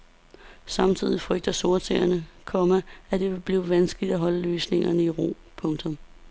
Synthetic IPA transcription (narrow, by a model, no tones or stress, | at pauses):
sɑ̈mt͡sʰið̰ˠifʁœɡ̥̚d̥ɐso̝ɐt͡sʰḛːɐnəkʰɒ̽mææd̥e̝ʋe̝b̥liːʋænsɡ̥əlid̥æɦɒ̽ləløːsne̝ŋɐnəiʁo̰m | pʰɔ̽ŋt͡sʰɔ̽m